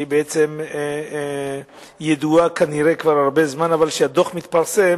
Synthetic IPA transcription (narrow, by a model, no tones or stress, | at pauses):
ibeet͡sem | jed̪uakaniʁekvaɾaʁbe̞zmanavalʃead̪o̞χmit̪paʁsem